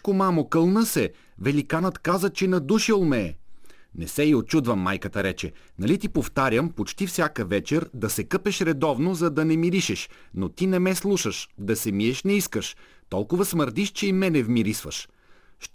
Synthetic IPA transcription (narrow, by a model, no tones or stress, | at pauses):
komamokɤlˠnəsɛ | vɛlikanət̪kazət͡ʃɛnɐd̪uʃilˠmɛːnɛsɛiot̪t͡ʃud̪vəmːajkət̪əɾɛt͡ʃɛnɐlit̪ipoft̪aɾʲəmpot͡ʃt̪ifsʲjakəvɛt͡ʃɛɾd̪ɐsɛkɤpɛʃɾɛd̪ɔvnozɐd̪ɐnɛmiɾiʃɛʃ | not̪inɛmɛslˠuʃəʃd̪ɐsɛmiɛʃnɛiskəʃt̪ɔlˠkʊvəsməɾd̪iʃt͡ʃɛimɛnɛvmiɾisvə̰ʃ | ʃ